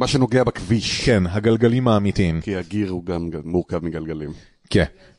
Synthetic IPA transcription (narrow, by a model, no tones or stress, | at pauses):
maʃeno̞ɡeabakviʃkenɦaɡalɡalimhaːmitimkihaɡiʁuɡamaːuʁkavmiɡalɡalim | ken